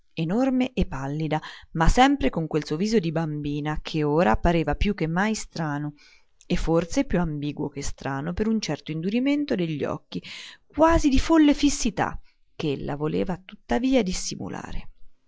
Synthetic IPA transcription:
enormeʔepːalːid̪amasɛmpɾekoŋkwelsuoviːzod̪ibambiːnakʰeoːɾapaɾeːvapjuk̟ːemːajst̪ɾaːno | efːorsepjuambiːɡwo̰kest̪ɾaːnopeɾunt͡ʃɛrt̪oind̪uɾiment̪od̪eʎːɔ̰kːikwaːzid̪ifolːefisːit̪a̰ | keelːa̰volḛːvat̪ut̪ːaviːad̪isːimṵlʔa̰ːɾe

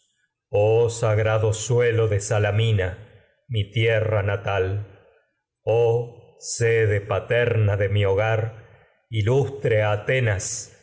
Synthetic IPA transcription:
osaɣɾaðosweloðesalamina | mit̪jeranat̪al | o | seðepat̪ɛɾnaðemioɣaɾ | ilust̪ɾeat̪enas

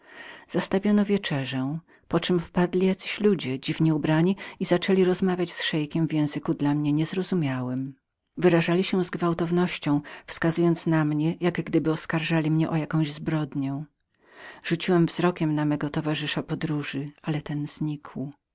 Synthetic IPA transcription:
z̥ast̪avʲjɔnɔvʲjɛt͡ʂɛʐɛ | pɔt͡ʂɘmfpad̪lʲijat̪sɘɕlud͡ʑɛd͡ʑivɲɛubɾaɲiizat͡ʂɛlʲiɾɔzmavʲjat͡ɕsʂɛjkʲɛmvʲjɛ̃w̃zɘkud̪lamɲɛɲɛzɾɔzumʲjawɛm | vɘɾaʐalʲiɕɛzɡvawt̪ɔvnɔɕt͡ɕɔ̃w̃fskazujɔnt̪snamɲɛjaɡɡd̪ɘbɘɔskaɾʐalʲimɲɛʔɔjakɔ̃w̃ʑzbɾɔd̪ɲɛ̃ | ʐ̥ut͡ɕiwɛmvzɾɔkʲɛmnamɛɡɔt̪ɔvaʐɘʂapɔd̪ɾuʐɘalɛt̪ɛnz̥ɲikʰw

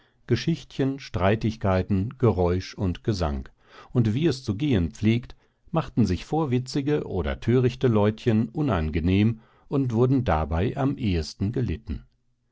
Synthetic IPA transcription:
ɡ̥əʃɪçtçənʃtʁ̥aɪtɪçkʰaɪtn̩ɡ̥əʁɔʏʃʊntɡ̥əza̰ŋk | ʊntv̥iːɛst͡suɡeːənp͡fleːkt | maχtn̩zɪçfoːɐvɪt͡sɪɡəʔoːdɐ̰tʰøːʁɪçtəlɔʏtçənʔʊna̰nɡəneːm | ʔʊntv̥ʊɐdn̩da̰baɪʔamʔeːəstn̩ɡəlɪtn̩

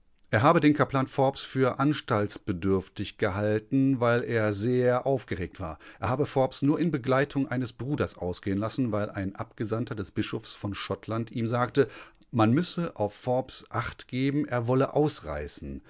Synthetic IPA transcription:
ʔeːɐɦaːbədeːnkʰaɐplaːnfɔɐpsfyːɐʔanʃtaltsb̥ədʏɐftɪçɡ̥əɦaltn̩vaɪlʔeːɐzeːɐʔaʊfɡ̥əʁeːk̚tv̥a̰ːɐʔeɐhaːbəfɔɐpsnuːɐʔɪnbəɡlaɪtʰʊŋʔa̰ɪnəsb̥ʁuːdɐsʔa̰ʊsɡ̥eːənlasn̩vaɪlʔa̰ɪnʔapɡ̥əzantɐdɛsb̥ɪʃofsfɔnʃɔtʰlantiːmzaːktə | manmʏsəʔaʊfːɔɐpsʔaχtɡ̥eːbm̩ʔeːɐvɔləʔaʊsʁa̰ɪsn̩

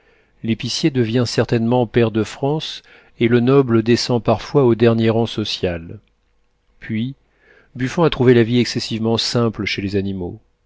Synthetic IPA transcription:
lepisjed̪əvjɛ̃sɛʁt̪ɛnmɑ̃pɛʁd̪əfχɑ̃s | elənɔbləd̪esɑ̃paʁfwaod̪ɛʁnjeʁɑ̃sɔsjal | pɥi | byfɔ̃at̪χuvelaviɛksesivmɑ̃sɛ̃pləʃelezanimo

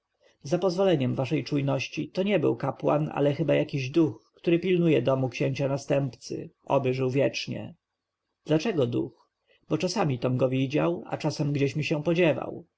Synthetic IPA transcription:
zapɔzvɔlɛɲɛmvaʂɛjt͡ʂujnɔɕt͡ɕit̪ɔɲɛbɘ̰wkapwa̰na̰lɛxɘbajakʲiʑd̪uxkt̪uɾɘpʲilnujɛd̪ɔmukɕeɲt͡ɕanast̪ɛmpt̪sɘ̰ʔɔ̰bɘʐɘwvʲjɛt͡ʂɲɛ̰ | d̪̥lat͡ʂɛɡɔd̪ṵx | bɔt͡ʂasamʲit̪ɔmɡɔvʲid͡ʑa̰wa̰t͡ʂasɛmɡd͡ʑeɕmʲiɕɛ̃pɔd͡ʑɛva̰w

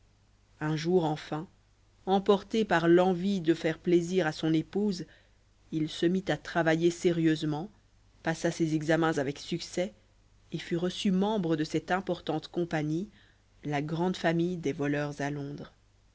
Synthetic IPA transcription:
ɛ̃ʒuʁɑ̃fɛ̃ | ɑ̃pɔʁt̪epaʁlɑ̃vid̪əfɛʁpleziʁasɔ̃nepuz | ilsəmit̪at̪χavajeseʁjøzmɑ̃ | pasasɛzɛɡzamɛ̃zavɛksyksɛ | efyʁəsymɑ̃bʁəd̪əsɛt̪ɛ̃pɔʁt̪ɑ̃t̪kɔ̃paɲi | laɡʁɑ̃d̪famijd̪ɛvɔlœʁzalɔ̃ːd̪ʁ

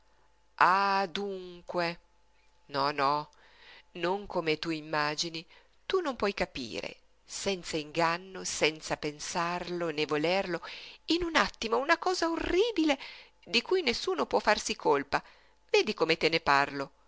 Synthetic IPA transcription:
ad̪uŋkwe | nɔnɔ | noŋkomet̪uimːaːd͡ʒini | t̪unompwɔjkapḭːɾḛ | sɛnt̪saiŋɡanːosɛnt̪sapensarlonevolerloinunat̪ːimounakɔːzaorːiːbile | d̪ikujnesːuːnopwɔfːarsikʰolpa | veːd̪ikomet̪eneparlo

